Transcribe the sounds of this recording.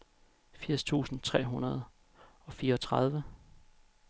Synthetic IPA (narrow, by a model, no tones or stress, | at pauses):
fiɐ̰st͡sʰṵːsn̩t͡sʰʁɛ̰ːɦunɐð̞̩ˠ | ɒ̽fiːɐɒt͡sʰʁɑð̞ˠʋə